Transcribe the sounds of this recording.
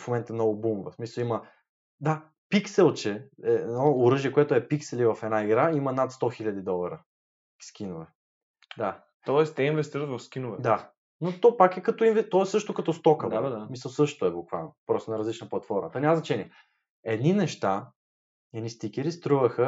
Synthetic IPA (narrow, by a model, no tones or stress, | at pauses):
fmomɛnt̪ənɔɡʊbumvəsmisəlˠimɐ | d̪a | piksɛlˠt͡ʃɛɛnɔʊɾɤʒiɛkoɛt̪ʊɛpiksɛlivɐfɛd̪naiɡɾaimɐnat̪st̪ɔxilʲɐd̪id̪ɔlˠɐɾə | kʲskinovɛ | d̪a | t̪ɔɛst̪ɛinvɛst̪iɾət̪vɐfskinʊvɛd̪a | not̪ɔpakɛkɐt̪ɔinvɛt̪ɔɛsɤʃt̪okɐt̪ɔst̪ɔkəvmisəlˠsɤʃt̪t̪ʊɛbukva̰lˠnopɾɔst̪onɐɾɐzlit͡ʃnəplˠɐt̪fɔɾmət̪ɔɛnʲaməznɐt͡ʃɛniɛ | ɛd̪ninɛʃt̪a | ɛd̪nist̪ikʲɛɾist̪ɾuvəxə